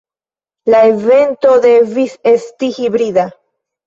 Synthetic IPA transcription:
laeve̞nt̪o̞ðe̞visest̪ihiβɾiða

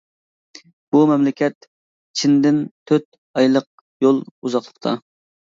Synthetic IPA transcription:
b̥umɛmlɪkʲʰɛt̪ | t͡ʃʰind̪ɪnt̪ʰːøt̪ | ɑjlˠəq̚ | jolˠuzɑχlˠəqt̪ʰɑ̰

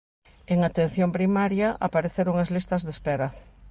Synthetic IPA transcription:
eŋat̪en̟θjompɾimaɾjɐʔapaɾeθeɾoŋazlist̪ɐzðespɛɾɐ

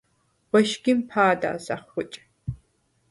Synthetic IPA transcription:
wɔʃɡʲɪmpʰaːda̰ːza̰ːχxʷʊt͡ʃʼ

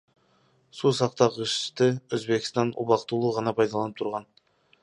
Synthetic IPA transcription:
susɑqt̪ɑqəʃt̪ɪɵzbe̞kʲɪ̥st̪ɑnṵbɑqt̪ulˠuʁɑnɑpʰɑjd̪ɑlˠɑnəp̚t̪ʰʊɾʁɑn

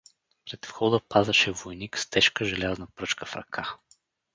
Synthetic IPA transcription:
pɾɛt̪fxɔd̪əpazɐʃɛvojnikst̪ɛʃkəʒɛlʲaznɐpɾɤt͡ʃkəfɾɐ̰kʰa

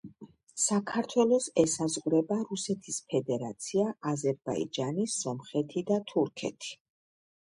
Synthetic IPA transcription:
sakʰaɾt̪ʰwɛlˠɔsɛsazʁɾɛbaɾusɛt̪ʰispʰɛd̪ɛɾat̪sʰiaazɛɾba̰ḭd͡ʒanisɔmχɛt̪ʰid̪at̪ʰuɾkʰɛ̰t̪ʰi̥

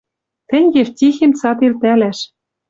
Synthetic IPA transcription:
t̪ɘ̆ŋʲɡeftʲixemt͡sɑt̪ilt̪ælæʃ

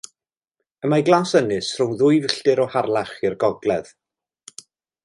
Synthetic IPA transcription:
əmajɡlˠasənɨsrʊwnðʊɨvɬd̥ɪɾɔharlˠaχɪrɡɔɡlɛð̥

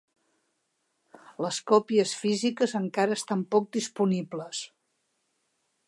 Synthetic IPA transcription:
ləskɔpiəsfizikəzəŋkaɾəest̪ampɔk̚d̪ispunibləs

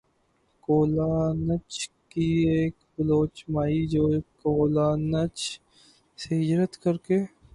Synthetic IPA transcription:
koːlaːnət͡ʃkieːkbəloːt͡ʃmaːid͡ʒoːkoːlaːnət͡ʃ | seɦɪd͡ʒɾət̪kəɾkeː

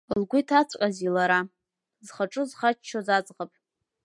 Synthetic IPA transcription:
lɡʷʊtʰat͡sʷʰʼqʲʼazilaɾa | zχaʈ͡ʂʼɨzχat͡ʃt͡ʃʰːozat͡sʼʁapʼ

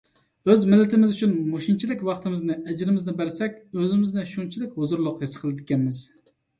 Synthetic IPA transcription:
øzmɪlːɪt̪ʰɪmɪzyt͡ʃʰynmoʃint͡ʃʰilɪkʲwɑχt̪ɨmɪznɪʔɛd͡ʒɾɪmɪznɪbæɾsɛkʲøzɪmɪznɪʃunt͡ʃʰilɪkʲhozuɾlˠʊqjesɨ̥qʰəlˠɪd̪ɪkʲɛnmɪz

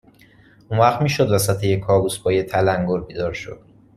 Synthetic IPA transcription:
unvæχd̪miːʃod̪væsæt̪ʰejekʰːɒːbusbɒːjet̪ʰælæŋɡoɾbiːd̪ɒːɾʃo̞̰d̪̥

